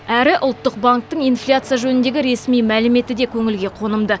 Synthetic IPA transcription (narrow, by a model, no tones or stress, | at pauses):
æɾɪʔʊlˠt̪ːəq̚baŋk̚t̪əɴijnflʲat̪sɨjaʒɵnɪnd̪e̞ɡʲɪɾe̞smijmælɪme̞t̪ɪd̪e̞kʲʰɵŋɪlɡʲe̞qʰo̞nəmd̪ə